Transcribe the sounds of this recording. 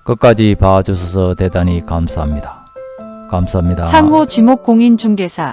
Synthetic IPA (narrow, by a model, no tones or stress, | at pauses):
kɯk͈ad͡ʑipad͡ʑusʰʌsʰʌte̞daɲikamsʰaɦamɲida | kamsʰaɦamɲidasʰaŋɦot͡ɕimok͈̚oŋint͡ɕuŋɡe̞sʰa